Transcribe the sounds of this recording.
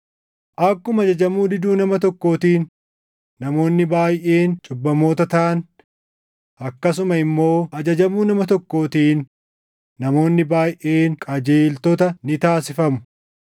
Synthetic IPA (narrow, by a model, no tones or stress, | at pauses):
ʔɐkːʊmɐd͡ʒɐd͡ʒɐmuːd̪ɪd̪uːnɐmɐt̪ɔkːo̞ːt̪iːnː | ɐmo̞ːnːɪbaːjʔe̞ːnt͡ʃʼʊbːɐmo̞ːt̪ɐt̪ɐʔɐn | ʔɐkːɐs̬ʊmɐɪmːo̞ːɐd͡ʒɐd͡ʒɐmuːnɐmɐt̪ɔkːo̞ːt̪iːnː | ɐmo̞ːnːɪbaːjʔe̞ːnkʼɐd͡ʒeːlt̪ɔt̪ɐnɪt̪aːsɪfɐmʊ̥